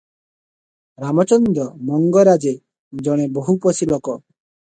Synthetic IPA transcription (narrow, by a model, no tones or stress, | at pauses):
ɾamɔt͡ʃɔnd̪ɔmɔŋɡɔɾad͡ʒe | d͡ʒɔɽ̃eboɦupɔsilɔkɔ